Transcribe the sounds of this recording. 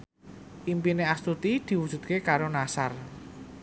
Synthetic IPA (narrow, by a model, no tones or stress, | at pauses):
ʔimpineast̪ut̪id̪̥i̤wu̥ʒ̥ṳt̪̚kekaɾonasar